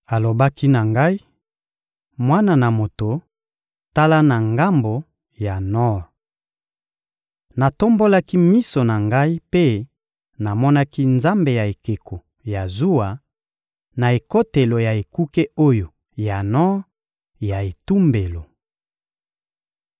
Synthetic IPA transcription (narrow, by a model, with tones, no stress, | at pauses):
a˨lo˨ba˦ki˦na˨ŋɡa˦i˦ | mwa˦na˨na˨mo˨to˨ | ta˦la˦na˨ŋɡa˦mbo˨ | ja˨nɔ˦ | na˨to˦mbo˦la˦ki˦mi˦so˨na˨ŋɡa˦i˦pe˦ | na˨mɔ˦na˦ki˦nza˦mbe˨ja˨e˨ke˨ko˨ | ja˨zu˦a˨ | na˨e˨ko˦te˨lo˨ja˨e˨ku˦ke˦o˦jo˨ | ja˨nɔ˦ | ja˨e˨tu˦mbe˨lo˨